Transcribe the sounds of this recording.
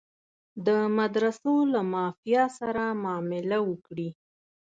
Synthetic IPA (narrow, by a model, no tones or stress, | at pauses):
d̪əmad̪ɾasolamɑfijɑsaɾamɑmɪlawəkɽi